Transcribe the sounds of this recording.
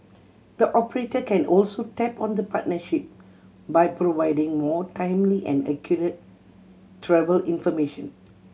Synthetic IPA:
d̪̥əʔɔpəɹetəkɛ̃nɔlsotɛpɔ̃nd̪əpat̚nəʃip̚ | bajpɹovaɪdɪ̃ŋmɔtãɪ̃mliʔɛ̰̃nɛ̰kʰjɔɹət̚ː | ɹɛvəlĩnfɔmeʃə̃n

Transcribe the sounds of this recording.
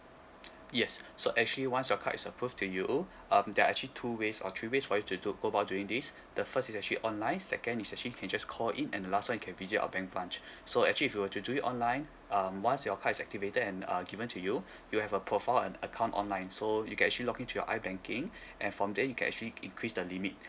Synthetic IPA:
jɛsːoʔɛk̚t͡ʃuəliwãnsjɔkʰa̰ʔisəpʰɹuftʰuju | ʔʌ̃mdɛaɛk̚t͡ʃulitʰuwesɔ̰t̪ʰɹiwesfɔjutuduɡoəbaʊt̚djuĩŋdis | d̥əfəstisɛk̚t͡ʃəliʔɔ̃nlãɪ̃nsɛ̰kə̃nisɛk̚t͡ʃəlikʰɛ̃nd͡ʒaskʰɔlĩnɛ̃ndəlastwãnjukʰɛ̃nvizita̰əbɛ̃ŋk̚b̥ɹãnt͡ʃsoɛk̚t͡ʃəliːfjuwətuduitʔɔ̃nlãɪ̃n | ʌmwãnsjɔkʰaisɛk̚tivetədɛ̃nʌ̰ɡivə̃ntʰuju | juhɛvəpʰɹofaɪlɛ̃nəkʰãʊ̃ntɔ̰̃nlãɪ̃nsojukɛ̃nɛkt͡ʃəlilɔkĩntʰujɔ̰ʔa̰ɪbɛ̃ŋkĩŋʔɛ̃nfɹɔ̃mdɛjukʰɛ̃nɛ̰k̚t͡ʃuəliĩŋkʰɹisdəlimit̚

